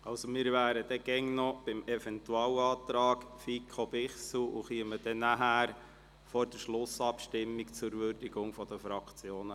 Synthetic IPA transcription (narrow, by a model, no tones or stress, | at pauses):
ɑʊsomɪːɾʋæːɾəd̥̪ɛɡ̥ɛŋnɔb̥ɪmɛfɛnt̪uɑːwɑːt̪ɾɑːkfikʰobɪχsl̩ṵχiəməd̥ɛnæɦæːɾ | fɔɾd̥əʃlʊsɑpʃtɪmːikt͡sʊɾvørdiɡʊŋfɔd̪əfɾɑkt͡sjoːnə